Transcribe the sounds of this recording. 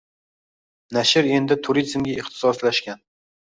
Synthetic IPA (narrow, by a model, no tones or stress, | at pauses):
naʃɪɾe̞nd̪ɪt̪ʰʊɾizmɡʲaɪχt̪ʰɪ̥sɒslaʃkʲan